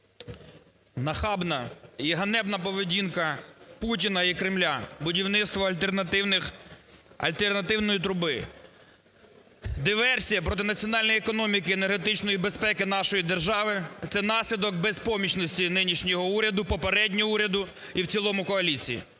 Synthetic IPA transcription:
nɐxɑbnɐiɦɐnɛbnɐpɔʋedʲinkɐputʲinɐikɾɪmlʲabʊdʲiwnɪt̪st̪ʋɔlʲt̪nɐɪnɪ | ɐ̰lʲt̪ernɐt̪ɪwnɔjit̪ɾʊbɪ | d̪ɪʋɛrsʲijɐpɾɔt̪̬ɪnɐt͡sʲiɔnɑlʲnjekɔnɔmʲikɪenerɦet̪ɪt͡ʃnɔjibespɛkɪnɑʃɔjid̪erʒɑʋɪt̪sɛnɑsʲlʲid̪ɔk̚bɛspɔmʲit͡ʃnɔsʲtʲinɪnʲiʃnʲɔɦɔuɾʲɐd̪ʊpɔpeɾɛdʲnʲɔɔuɾʲɐd̪ʊ | iwt͡sʲilˠɔmʊkɔɐlʲit͡sʲijḭ

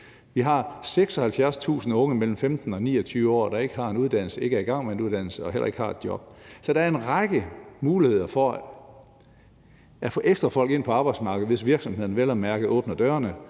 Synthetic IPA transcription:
ʋiɦɑ̈seɡ̥sɒ̽hælfjæɐst͡sʰṵːsn̩ɔ̽ŋəmel̰m̩femd̥n̩ɒ̽nḭːɒt͡sʰyːʋəɒ̰ːd̥ɑ̈e̝ɡ̥əɦɑ̈e̝nuð̞ˠd̥æn̰l̩səe̝ɡ̥əæɐiɡ̥ɑ̈ŋ̰meenuðˠd̥æn̰l̩səɒ̽ɦel̰ɐ̰ʔe̝ɡ̥əhɑ̈e̝d̥jɒ̽b̥sɒ̽d̥ɑæɐe̝nʁɑɡ̥əmuːlihe̝ð̞̰ˠɐfɒ̽ | æfɔ̰̽ːʔeɡ̥sd̥ʁɐfɒ̽l̰ɡ̥e̝n̰pʰɒ̽ɑ̈ːb̥ɑ̈ɪd̥smɑ̈ːɡ̥əð̩ˠʋe̝sʋiɐɡ̥sɒ̽mhe̝ð̰ˠn̩ʋelɐmæɐɡ̥ð̩ˠɔ̽ːb̥nɐd̥ɶːɐnə

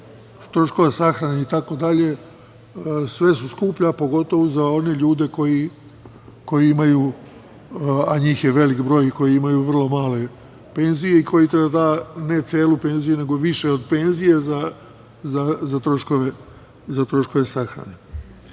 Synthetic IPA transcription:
t̪ɾo̞ʃko̞ʋesaxɾaneit̪ako̞d̪aʎe̞ | sʋe̞suskuːpʎapo̞ɡo̞t̪o̞ʋuzao̞ne̞ʎuːd̪e̞ko̞ji | ko̞jiimaju | aɲiːxjeʋe̞likbɾo̞ːjko̞jiimajuʋr̩lˠo̞maːle̞ | pe̞nzije̞ikʰo̞jit̪ɾebad̪ane̞t̪seːlupe̞nzijune̞ɡo̞ʋiʃe̞od̪pe̞nzije̞za | zazat̪ɾo̞ʃko̞ʋe̞ | zat̪ɾo̞ʃkoʋe̞saxɾa̰ne̞

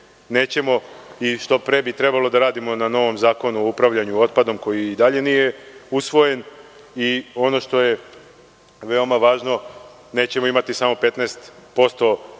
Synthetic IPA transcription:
ne̞ːt͡ɕe̞mo̞iʃt̪o̞pɾe̞bit̪ɾe̞balo̞d̪aɾaːd̪imo̞nano̞ʋo̞mzaːko̞nuoupɾaʋʎaɲuo̞t̪̚pad̪o̞mko̞jiːd̪aʎe̞nije̞usʋo̞je̞n | io̞no̞ʃt̪o̞je̞ | ʋe̞o̞maʋaːʒno̞ | ne̞ːt͡ɕe̞mo̞imat̪isaːmo̞pe̞t̪neːst̪po̞st̪o̞

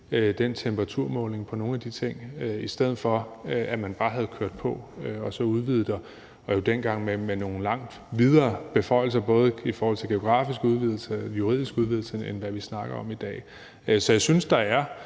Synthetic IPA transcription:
ød̥ent͡sʰemb̥ɐʁɑ̈t͡sʰuɐ̰mɔ̽ːlne̝ŋpʰɒ̽no̝ːn̩æd̥it͡sʰe̝ŋ̰øisd̥eð̰̩ˠfɒ̽æmænb̥ɑ̈ːɦæð̞̩ˠkʰøɐ̰d̥pʰɒ̽øɒ̽sɒ̽uð̞ˠʋið̩ˠd̥ɐ | ɒ̽jo̝d̥enɡ̥ɑ̈ŋ̰memeno̝ːn̩lɑ̈ŋ̰d̥ | ʋið̞ˠɐːb̥e̝fɒ̽ɪ̰l̩s̬ɐb̥ɔ̽ːð̞ˠəifɒːhɒl̰t͡sʰe̝lɡ̥e̝o̝ɡ̥ʁɑ̰̈ːfisɡ̥uð̞ˠʋiðˠl̩səjuʁḭð̞̰ˠisɡ̥uðˠʋið̞ˠl̩səenʋæʋisnɑ̈ɡ̥ɐɒ̽mid̥ɛ̰ː | sɒ̽jäɪsynsd̥ɑ̈æɐ

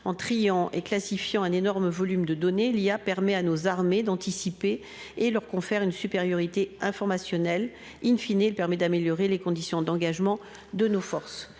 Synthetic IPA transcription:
ɑ̃t̪χijɑ̃ʔeklasifjɑ̃ɛ̃nenɔʁməvɔlymd̪əd̪ɔneliapɛʁmɛanozaʁmed̪ɑ̃t̪isipeː | lœʁkɔ̃fɛʁynsypeʁjɔʁit̪eɛ̃fɔʁmasjɔnɛl | infineɛlpɛʁmɛd̪ameljɔʁelekɔ̃d̪isjɔ̃d̪ɑ̃ɡaʒmɑ̃ | d̪ənofɔʁs

